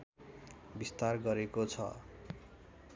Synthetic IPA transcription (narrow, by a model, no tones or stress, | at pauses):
bist̪arɡʌɾekot͡sʰʌ̰